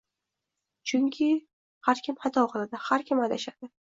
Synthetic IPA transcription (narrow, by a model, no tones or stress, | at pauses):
t͡ʃʰʊŋkʲʰɪ | haɾkʲʰɪmhat̪ʰɒqʰɨlˠad̪ɪhaɾkʲʰɪmajd̪aʃad̪̥ɪ